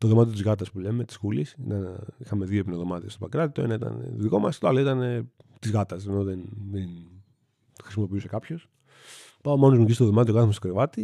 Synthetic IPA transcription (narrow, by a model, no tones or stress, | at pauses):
t̪oðomɐt̪iot̪izɣɐt̪ɐspule̞me̞t̪i̥sxulisit̪ɐnixɐme̞ðiopinoðo̞mɐt̪iɐst̪obɐkɾɐðit̪o̞ḛnɐit̪ɐ̰nḛðiko̞mɐst̪oɐloit̪ɐne | t̪izɣɐt̪ɐse̞no̞ðenðen | xɾisimo̞piuse̞kɐpço̞s | pɐomo̞nozmuɟistoðo̞mɐt̪t̪oɐθmost̪okɾevɐt̪i